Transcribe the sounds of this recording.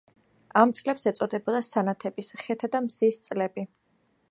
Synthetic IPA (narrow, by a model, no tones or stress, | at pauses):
amt̪sʼlɛpsɛt̪sʼɔd̪ɛbɔd̪asanat̪ʰɛbisχɛt̪ʰad̪amzist̪sʼlɛbi